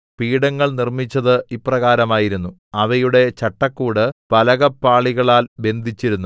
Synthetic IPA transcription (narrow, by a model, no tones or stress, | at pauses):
piːɽɐŋːɐɭnirmit͡ɕːɐðɨiprɐɣaːɾɐmaːjiɾunːu | ɐʋɐjuɽe̞t͡ɕɐʈːɐkːuːɽɨpɐlɐɣɐpːaːɭiɣɐɭaːlbe̞nd̪ʱit͡ɕːiɾunːu